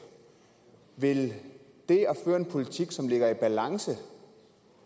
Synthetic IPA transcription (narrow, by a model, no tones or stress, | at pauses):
ʋe̝l | d̥e̝ɒføːɐe̝npʰo̝lit͡sʰiɡ̥sɒ̽mle̝ɡ̥ɐib̥ælɑ̈ŋsə